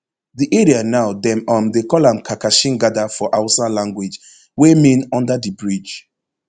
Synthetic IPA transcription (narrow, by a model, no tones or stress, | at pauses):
ðiʔɛɹianaʊdɛ̃mɔ̃mdekɔlãmkʰakaʃĩŋɡadafɔʔaʊsalãŋɡwɪd͡ʒ | wɛmĩnɔ̃ndədibɹid͡ʒ